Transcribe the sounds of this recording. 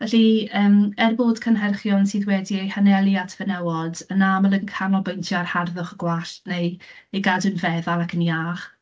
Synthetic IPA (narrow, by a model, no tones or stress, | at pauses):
vɛɬiəːmɛrboːd̥kʰənɦɛrχjɔnsiːðwɛdiejhanɛlˠjatʰvənɛwɔdənaməlˠənkʰanɔlˠbojntʰjɔarharðʊχəɡ̥waɬtnejejɡadɨnvɛðalˠakʰənjaːχ